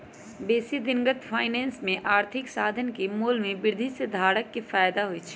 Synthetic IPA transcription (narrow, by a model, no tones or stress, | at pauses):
beːsid̪ɪŋɡət̪fʰaːɪnɛ̃ːnsmẽʔaːɾt̪ʰɪksaːd̪ʱənkemoːlmẽbɪɾd̪ʱised̪ʱaːɽəkːefaːjd̪aɦʊit͡ʃʰi̥